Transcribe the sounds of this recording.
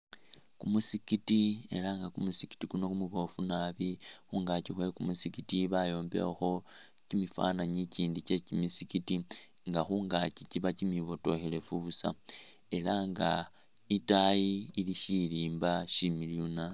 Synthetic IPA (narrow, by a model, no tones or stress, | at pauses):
kumusikitie̞̰laŋɡakumusiki̥tikuno̞kumuβo̞funaβixuŋɡacixwe̞kumusikitiβajo̞ːmbe̞̰xo̞ | cimifa̰naɲiciːndice̞cimisikiti | ŋɡaxuːŋɡaciciβacimiβo̞to̞̰xe̞le̞fuβusa̰ | e̞laŋɡa | itajiːliʃiliːmbaʃimiljuna